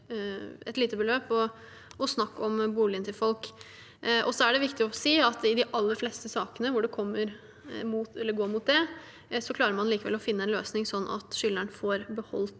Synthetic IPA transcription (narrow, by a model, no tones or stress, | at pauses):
ɛt̪liːt̪əbəløːpɔ | ʔɔsnɑkːɔmbuːlɪənt̪ɪlfɔlk | ʔɔsɔæɖɛʋɪkt̪ɪɔsiːɑt̪ɪd̪ɪʔɑlːəɾflɛst̪əsɑːkənəʋʊɖɛkʰɔmːəɾ | muːt̪ɛlːəɾɡoːɾmuːt̪̚d̪ɛ | sɔkʰlɑːɾəɾmɑnliːkəʋɛ̰lːɔfɪnːəɛnløːsnɪŋsɔnːʔɑ̰t̪ʃʏlːəɳfɔɾbəhɔ̰lt̪